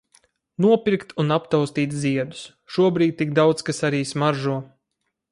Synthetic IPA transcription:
nuɔpʲiɾkt̪ʰunapt̪awst̪iːt̪ziɛd̪u̥s | ʃuɔbɾiːd̪̚ʲt̪iɡ̚d̪awd̪skasaɾiːsmaɾʒuɔ

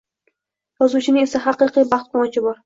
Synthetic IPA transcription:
jɒzut͡ʃʰɪnɪŋe̞saɦɑqɨqijbɑχt̪̚qʰɒmɑt͡ʃʰɪbɒɾ

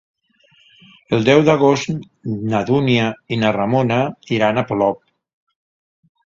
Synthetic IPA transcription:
əlˠd̪ɛwðaɣ̞ost̪ | naðuniainaramonaiɾanaplɔp̚

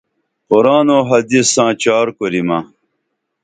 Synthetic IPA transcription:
qoɾaːnoːɦɐd̪isãːt͡ɕaːɾkoɾima

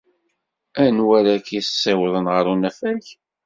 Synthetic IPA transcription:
ænwæɾakissːæwðˤənʁəɾˤunæfælç

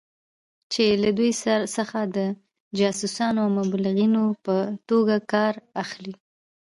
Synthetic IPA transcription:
t͡ʃelad̪ujssəxad̪ə | d͡ʒɑsusɑnoawmablɪɣinopət̪oɡakɑɾaxli

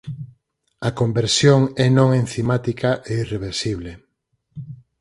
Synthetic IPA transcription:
ɐkombeɾsjoŋɛnõŋenθimat̪ikaʔeireβeɾsiβle

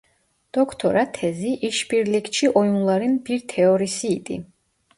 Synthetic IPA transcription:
d̪̥ɔkʰt̪ʰɔɾat̪ʰɛziʔiʃpiɾlikʰt͡ʃʰiʔɔjmulˠaɾinbiɾt̪ʰɛɔɾisiːt̪ʼḭ

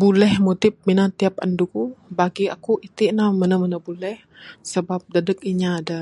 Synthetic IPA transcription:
bulɛhmut̪ɪp̚minat̪iap̚a̰ndukubaɡia̰kuʔit̪iʔnamənəmənəbulɛh | səbap̚dədək̚iɲaːda

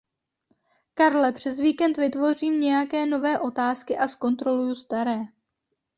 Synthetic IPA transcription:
kaɾlɛpr̝̥ɛzviːkɛnt̪vɪt̪vo̞riːmɲɛjakɛːno̞vɛːʔo̞t̪aːskɪʔasko̞nt̪ɾo̞lujust̪aɾɛː

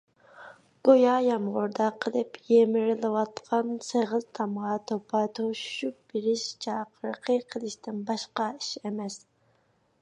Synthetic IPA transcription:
ɡ̥ojɑjɑmʁʊɾd̪ɑqʰəlˠɨpjemɪɾɪlɪwɑt̪qʰɑnsəʁəzt̪ʰɑmʁɑt̪ʰopʰɑt̪ʰoʃup̚b̥ɪɾɪʃt͡ʃʰɑqʰəɾqʰəqʰəlˠɨʃt̪ɪnbɑʃqɑiʃemɛs

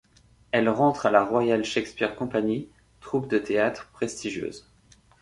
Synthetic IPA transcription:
ɛlʁɑ̃t̪χalaʁwajalʃɛkspiʁkɔ̃paɲi | t̪χupd̪ət̪eat̪χpχest̪iʒjø̰ːz

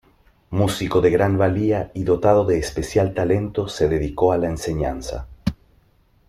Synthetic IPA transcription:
musiko̞ðe̞ɣɾanbaliaiðo̞t̪að̞o̞ðe̞ːspe̞sjalt̪ale̞nt̪o̞se̞ðe̞ðiko̞alaense̞ɲansa̰

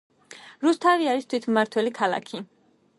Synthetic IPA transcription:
ɾust̪ʰaviaɾist̪ʰwit̪ʰmaɾt̪ʰwɛlikʰalˠa̰kʰi

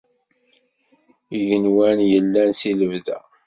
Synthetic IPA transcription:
iʝənwænjəlːænsiləvðæ

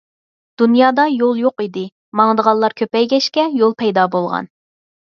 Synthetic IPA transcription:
d̪̥unjɑːd̪ɑjolˠjoqid̪ɪ | mɑŋd̪əʁɑlːˠɑɾkʲʰøpɛjɡʲɛʃkʲɛjolˠpʰɛjd̪ɑːbolˠʁɑ̰n

